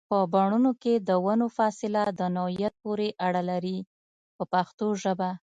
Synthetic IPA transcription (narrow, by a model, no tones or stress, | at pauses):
pəbaɳunoked̪əwanofɑsɪlad̪ənahijat̪̚poɾeʔaɽalaɾi | pəpaxt̪oʒəba